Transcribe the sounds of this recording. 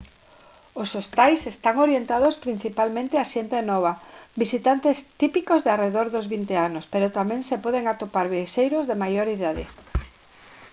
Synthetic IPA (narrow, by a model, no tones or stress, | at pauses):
osost̪ajsest̪aŋoɾjent̪að̞ospɾin̟θipalmẽnt̪eaʃent̪enɔβ̞abisit̪ant̪est̪ipikozðeareðoɾðozβint̪eanospeɾot̪amɛ̃ŋsepɔðeŋat̪opaɾβeʃejɾozðemajoɾiðaðɪ̰